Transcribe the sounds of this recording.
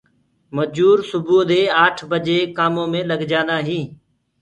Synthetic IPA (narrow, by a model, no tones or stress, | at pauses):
məd͡ʒuːɾsʊbuːd̪eːaːʈʰbəd͡ʒeːkaːmõːmẽːləɡd͡ʒãːnd̪aːɦĩː